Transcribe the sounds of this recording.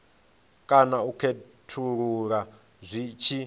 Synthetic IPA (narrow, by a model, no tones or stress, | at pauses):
kʼanaukʰe | tʰuɺuɺa | zʷit͡ʃʰi